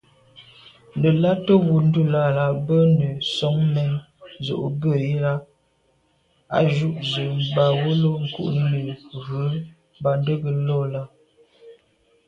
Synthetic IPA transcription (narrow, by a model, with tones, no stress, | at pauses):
nə˨la˦tə˦wu˨n̩˦du˦˨la˦˨la˨bə˦nə˨sɔ˦ŋmɛ˦n˨ | zo̰˨ʔbə˦˨i˦la˦ | a̰˦ʒu˦ʔzə˨mba˨wo˦lo˦ŋ̩˨kṵ˦ʔnə˨ɣə˨˦ | m˦ba˨n˦də˦ɡə˨lɔ˦la˦